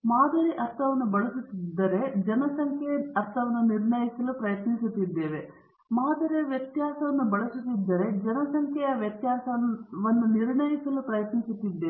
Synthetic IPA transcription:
maːd̪ɐɾiʔɐɾt̪ʰɐʋɐnːubɐɭɐsut̪ːid̪ːɐɾe̞d͡ʒɐnɐsɐŋkʰɛɐɾt̪ʰɐʋɐnːuniɾɳɐjisɐlupɾɐjɐt̪nisut̪ːid̪ːe̞ːʋe̞ | maːd̪ɐɾiɐʋjɐt̪jaːsɐʋɐnːubɐɭɐsut̪ːid̪ːɐɾe̞d͡ʒɐnɐsɐŋkʰɛjɐʋjɐt̪jaːsɐʋɐnd̪uniɾɳɐjisɐlupɾɐjɐt̪nisut̪ːid̪ːeː

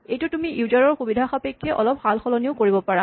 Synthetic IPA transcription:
ejtutumiʔiuzaɹɔɹxubidʱaxapekʰːɛʔɔlɔp̚xalxɔlɔnioʊkoɹibɔpaɹa

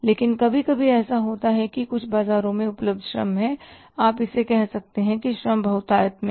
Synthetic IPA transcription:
leːkɪnkɐbʱikɐbʱiɛːsaɦoːt̪aɦɛkikʊt͡ʃʰbaːzaːɾõmẽʊpləb̚d̪ʱʃɾɐ̰mɦɛ̃ | aːpɪsekɛɦsɐk̚t̪eɦɛ̃kiʃɾɐmbʱɐʊt̪aːjət̪mẽ

